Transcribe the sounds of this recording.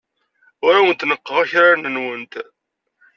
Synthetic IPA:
ʊɾawənt̪nəqːəʁaçɾanənwənt̪

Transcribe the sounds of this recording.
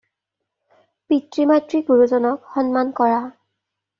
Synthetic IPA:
pitɹimajtɹiɡuɹuzɔnɔkxɔnmankɔɹa

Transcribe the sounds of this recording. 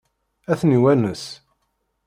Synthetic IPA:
æθniwænəs

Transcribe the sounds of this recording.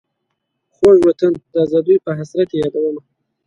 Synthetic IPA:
xoʒwat̪ənd̪ɑzɑd̪ujpəɦasɾat̪ejɑd̪awəma

